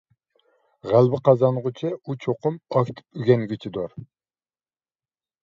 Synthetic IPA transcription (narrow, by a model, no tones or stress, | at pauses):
ʁælˠbɪqɑzɑnʁʊt͡ʃʰɪut͡ʃʰoqʊmɑkʲt̪ʰɪ̥pyɡʲɛŋɡʲit͡ʃʰɪd̪oɾ